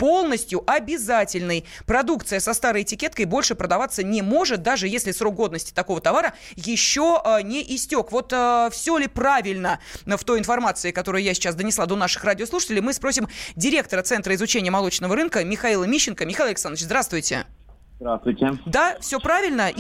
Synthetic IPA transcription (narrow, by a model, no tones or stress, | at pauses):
po̞lˠnəsʲtʲjʊʔɐbʲɪzatʲɪlʲnəjpɾɐd̪uk̚t̪sɨjəsɐst̪aɾəjɪtʲɪkʲet̪kəjbo̞lʲʂɨpɾəd̪ɐvat̪sənʲɪmo̞ʐɨt̪̚d̪aʐɨjesʲlʲɪsrokɡo̞d̪nəsʲtʲɪ̥t̪ɐko̞vət̪avaɾə | jɪɕːonʲɪʔɪsʲtʲo̞kvo̞t̪əfsʲolʲɪpravʲɪlʲnəft̪o̞jɪn̪fɐrmat̪sɨɪkɐt̪o̞ɾʊjʊjasʲɪ̥t͡ɕasd̪ənʲɪslˠad̪o̞naʂɨ̥xradʲɪoslˠuʂɨ̥tʲɪlʲɪjmɨspɾo̞sʲɪmdʲɪɾʲe̞kt̪əɾət̪sɛnt̪ɾəɪzʊt͡ɕenʲɪjəmɐlˠo̞t͡ɕnəvəɾɨnkəmʲɪxailˠəmʲiɕːɪnkəmʲɪxaiɐlʲɪksanət͡ɕzd̪ɾast̪vʊjtʲɪ̰ | d̪ɾast̪vʊjtʲɪd̪afsʲo̞pɾavʲɪlʲnə